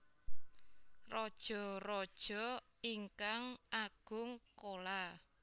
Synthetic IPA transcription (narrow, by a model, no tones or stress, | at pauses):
rɔd̥ʒ̥ɔ̤ɾɔd̥ʒ̥ɔiŋkaŋʔaɡ̥ʊŋkola